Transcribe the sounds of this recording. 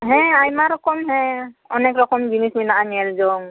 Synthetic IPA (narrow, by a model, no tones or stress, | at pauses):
ɦɛ̃ajmaɾɔkɔmɦɛ̃ɔnɛkɾɔkɔmd͡ʒinisminaaniɛlzɔŋ